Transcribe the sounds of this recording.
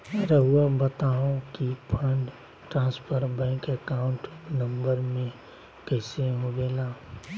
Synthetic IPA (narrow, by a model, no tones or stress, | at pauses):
ɾəɦuabət̪aɦũkipʰə̃ɳɖ | ʈɾãːspʰəɾbɛ̃ɪŋkəkaʊ̃ɳʈnə̃mbəɾmẽ | kɛɪseɦobeːlaː